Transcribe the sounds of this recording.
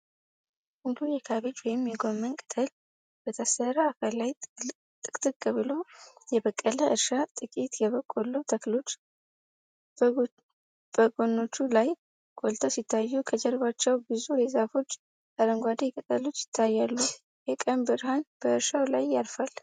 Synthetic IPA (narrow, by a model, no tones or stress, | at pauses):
mulujɛkʰaβid͡ʒwɔjɪmjɛɡo̞mːənkʼɨ̥t̪ʰəl | b̥ət̪ʰəsəɾaːkʰalːaj | t̪ʼɨkʼt̪ʼɨɡʼəβɨlo̞jɛβəkʼːələʔɨɾʃat̪ʼɨkʼit̪jɛβəkʼːolut̪ʰəklo̞t͡ʃː | b̥əɡo̞nːo̞t͡ʃːulaj | ɡ̥ʼolt̪ʰəwsit̪ʰːajːukʰəd͡ʒɛlβat͡ʃːɛwbɨzuɾezafo̞t͡ʃː | ʔaɾəŋɡʷad̪ekʼət̪ʼːəlut͡ʃːjɪ̥t̪ʰːajːalːu | jɛkʼəmbɨɾhanb̥əɨɾʃawlajːalfal